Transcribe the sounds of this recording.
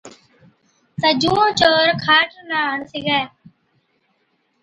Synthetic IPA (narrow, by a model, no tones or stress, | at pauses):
səd͡ʒũːõːt͡ʃoːɾkʰaːʈʰnaːɦəɳsɪːɡaːe